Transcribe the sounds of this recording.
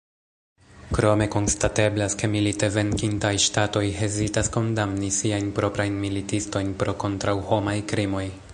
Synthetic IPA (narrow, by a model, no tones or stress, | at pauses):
kɾo̞me̞ko̞nstate̞blaske̞milite̞ve̞ŋkintajʃtato̞jɦe̞zitasko̞ndamnisiajnpɾo̞pɾajnmilitisto̞jnpɾo̞ko̞ntɾawho̞majkɾimo̞j